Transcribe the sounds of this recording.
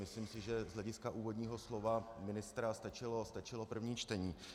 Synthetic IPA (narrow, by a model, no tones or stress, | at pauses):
mɪsliːmsɪʒɛzlɛɟɪskaʔuːvo̞dɲiːɦo̞slo̞vamɪnɪst̪ɾast̪at͡ʃɪlo̞st̪at͡ʃɪlo̞pr̩vɲiːt͡ʃt̪ɛɲiː